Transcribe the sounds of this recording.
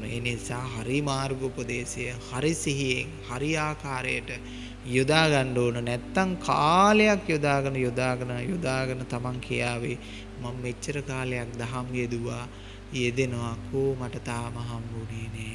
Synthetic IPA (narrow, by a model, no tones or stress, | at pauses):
nḛːnisaːɦaɾimaːɾɡopod̪eːsejəhaɾisiɦijeŋhaɾiaːkaːɾejəʈə | jod̪aːɡanɖoːnənɛt̪ːaŋkʰaːlejakjod̪aːɡənəjod̪aːɡənəjod̪aːɡənət̪amaŋkʰijaːʋe | mamːet͡ʃːəɾəkaːlejak̚d̪aɦamjed̪uʋaː | jed̪enoʋakʰoːmaʈət̪aːmɐɦambuneːne